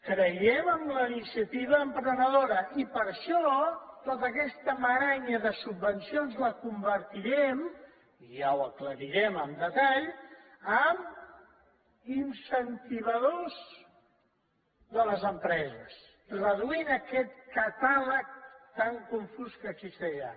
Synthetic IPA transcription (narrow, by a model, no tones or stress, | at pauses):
kɾəjɛməmləinisiət̪iβəːmpɾənəðoɾəʔipəɾʃɔt̪ot̪əkɛst̪əməɾaɲəðəsubːənsionzləkumbəɾt̪iɾɛm | iʒawəkləɾiɾɛməmd̪ət̪aʎ | əm | insənt̪iβ̞əðoz | ðələzəmpɾɛzəs | rəðuinəkɛt̪kət̪alək̚t̪aŋkuɱfuskəɡzist̪ɛʒa